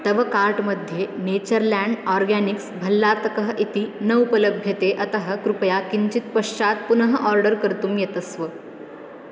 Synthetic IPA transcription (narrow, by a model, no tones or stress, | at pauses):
t̪əʋəkaɾʈməd̪ʱjenet͡ɕəɾlæ̃ɳɖɔɾɡæniksbʱəlːat̪əkəɦʔit̪iːnəupələbʱjət̪eʔət̪əɦəkɾupəjakiɲt͡ɕit̪pəʂt͡ɕat̪̚punəɦəʔɔɾɖəɾkəɾt̪uːmjet̪əsʋə